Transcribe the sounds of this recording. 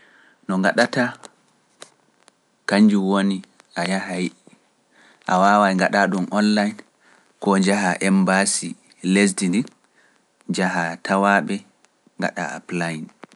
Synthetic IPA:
nɔŋɡaɗata | kaɲd͡ʒuwoni | ʔajahaj | ʔawawajŋɡaɗaɗumʔɔnlajn | kɔd͡ʒaɦaʔɛmbasi | les̬dinin | d͡ʒaɦatʰawaɓɛ | ŋɡa̰ɗa̰a̰plajin

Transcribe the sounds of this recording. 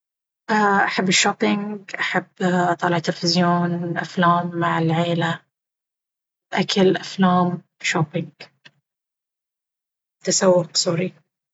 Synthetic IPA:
ʔaʔaħabːɪʃːoːpːɪŋɡʔaħabːt̪ˤɑːlɪʕt̪ːɪlfɪzjoːnʔaflaːmːaʕɪlʕeːla | ʔakalʔaflaːm | ʃoːpɪŋɡ | t̪asawːʊqsuːɾi

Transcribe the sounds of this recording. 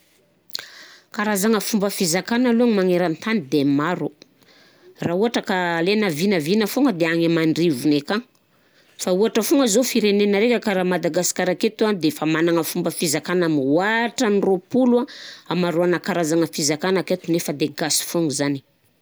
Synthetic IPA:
kaɾazaŋəfumbəfizakanaluaŋimaŋeɾant̪anid̪emaɾu | rauaʈ͡ʂəkalenavinəvinəfuŋəd̪eaŋemaɳɖ͡ʐivunekaŋ | fauaʈ͡ʂəfuŋɡəzofiɾenenəɾekʲəkaɾaːmad̪aɡasi̥kaɾaket̪uanid̪efamanaŋəfumbəfizakanamwaʈ͡ʂəniropuluaamaɾuanəkaɾazaŋəfizakanaket̪unefəd̪eɡasi̥fuŋzani̥

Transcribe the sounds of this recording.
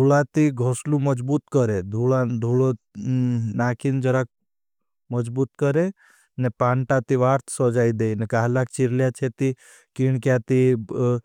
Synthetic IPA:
d̪ʱuɭat̪iɡʱɔslumɔd͡ʒbuːt̪kəɾed̪ʱuɭad̪ʱuɭo | naːkʰind͡ʒəɾak̚ | məd͡ʒbuːt̪kəɾe | nepaːɳʈat̪iʋaːɾt̪ʰsɔd͡ʒaːid̪einekaɦlakt͡ʃiɾljat͡ʃʰet̪i | kiɳkjat̪i

